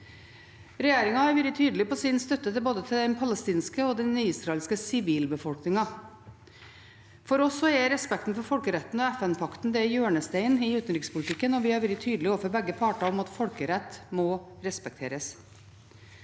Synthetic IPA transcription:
ɾɛjeːɾɪŋɑhɑɾʋɪɾɡət̪ʰyːd̪əlɪpɔsɪnst̪œt̪ːət̪ʰɪboːd̪ət̪ʰɪld̪ɛnpʰɑləst̪iːnskəɔd̪ɛnniɪːsɾɑɛlskəsɪʋiːlbəfɔlknɪŋɑ | fɔɾɔsːɔɛɾɛspɛk̚t̪n̩fɔɾfɔlkəɾɛt̪ːn̩ɔæfɛnpʰɑkt̪n̩d̪ɛæɾjøːɳəst̪æɪnɪʉːt̪n̩ɾɪkspʊlɪt̪ʰɪkːənɔʋɪhɑɾʋɪɾət̪ʰyːd̪lɪoːfəɾbɛɡːəpʰɑʈɑɔmɑt̪fɔlkəɾɛt̪ːmɔɾɛspɛk̚t̪ʰeːɾəs

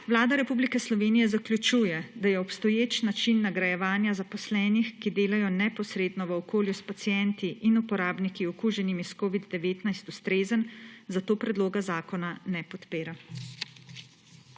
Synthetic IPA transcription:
ʋlaːd̪aɾɛpublikɛslɔʋeːnijɛzaklʲjut͡ʃujɛd̪ajɛɔpst̪ɔjeːt͡ʃnat͡ʃinːaɡɾajɛʋaːnjazapɔslɛːnixkid̪eːlajɔnɛpɔsɾeːd̪nɔʋəɔkoːljuspat̪sijɛnt̪iʔinupɔɾaːbnikiɔkuːʒɛnimiskoːʋid̪ːɛʋeːt̪najst̪ust̪ɾeːzənzat̪oːpɾɛd̪loːɡazaːkɔnanɛpɔt̪peːɾa

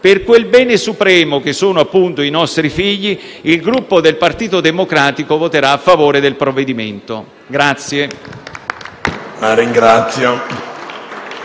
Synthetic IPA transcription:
perkwelbɛːnesupɾɛːmok̟esːoːnoapːunt̪oinɔst̪ɾifiʎːi | ilɡɾupːod̪elpart̪iːt̪od̪emokɾaːt̪ikovot̪eɾaːfːavoːɾed̪elpɾovːed̪iment̪o | ɡɾat̪sːje | laɾiŋɡɾat̪sjo

